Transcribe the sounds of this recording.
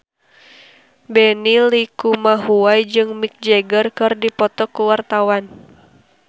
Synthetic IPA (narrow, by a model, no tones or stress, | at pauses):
bɛnilikumaɦuajd͡ʒɨŋmik̚d͡ʒɛɡərkɨrdipɔt̪ɔkuwart̪awan